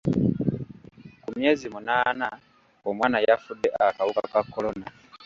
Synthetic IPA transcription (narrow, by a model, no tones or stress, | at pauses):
kumje̞ːzimunaːna | omwaːnajafudːeʔakawukakakːo̞lo̞na